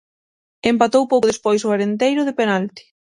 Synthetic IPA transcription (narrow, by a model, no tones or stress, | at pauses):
empat̪owpowkðespojsoaɾent̪ejɾʊðepenalt̪i̥